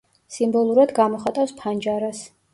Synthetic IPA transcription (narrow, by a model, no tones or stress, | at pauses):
simbɔlˠuɾad̪ɡamɔχat̪ʼafspʰand͡ʒaɾas